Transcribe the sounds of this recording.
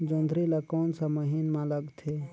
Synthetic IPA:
d͡ʒond̪ʱɾilakɔːnsaməɦinmãləɡt̪ʰe

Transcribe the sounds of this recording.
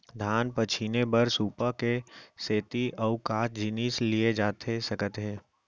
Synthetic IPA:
d̪ʱaːnpət͡ʃʰinebəɾsuːpakeseːt̪iʔɔːkaːtd͡ʒɪniːslied͡ʒaːt̪ʰesɐkət̪ɦɛ̃ː

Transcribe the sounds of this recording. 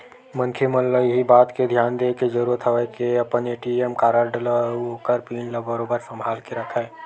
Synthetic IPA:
mə̃ŋkʰeməlːəiɦibaːt̪ked̪ʱjaːnd̪eːked͡ʒəɾuɾət̪ʰɦəʋəkeɐpəneːʈiemkaːɾəɾɖləokəɾpiːnləbəɾobəɾsə̃mbʱaːlkeɾəkʰɛː

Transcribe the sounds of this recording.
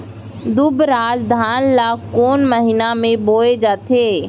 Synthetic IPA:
d̪ʊbɾaːd͡ʒd̪ʱaːnlaːkoːnməɦɪnamẽboːed͡ʒaːt̪ʰeː

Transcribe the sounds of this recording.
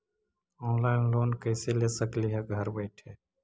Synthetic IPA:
ɔ̃ːnlaːɪnloːnkəɪseleːsəkliːɦɛɡʱəɾbəɪʈʰeː

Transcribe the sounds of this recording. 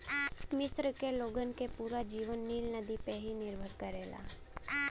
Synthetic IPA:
mɪst̪ɾəkeloɡənkepuɾad͡ʒiʋənːiːlnəd̪ipeɦinɪɾbʱəɾkəɾela̰

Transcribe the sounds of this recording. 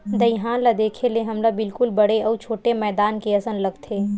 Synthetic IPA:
d̪ɐiɦãːlad̪eːkʰeleɦɐmlabɪlkʊlbɐɽeɔːt͡ʃʰoːʈemɛːd̪aːnkeɐsənlɐɡt̪ʰeː

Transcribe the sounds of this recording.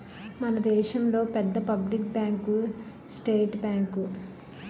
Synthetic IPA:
mɐnɐd̪ɛːʃɐmlo̞ːpɛd̪ːɐpɐblikbjaːŋku | sʈeːʈbʲjaːŋku

